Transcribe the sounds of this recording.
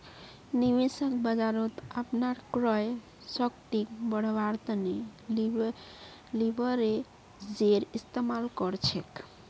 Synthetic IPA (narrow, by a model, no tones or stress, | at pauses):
nibesəkbəd͡ʒaɾot̪apnaɾkɾɔe | sɔkt̪ikbɔɽ̤baɾt̪əne | libʱɔɾe | d͡ʒeɾist̪emalkɔɾt͡ɕʰek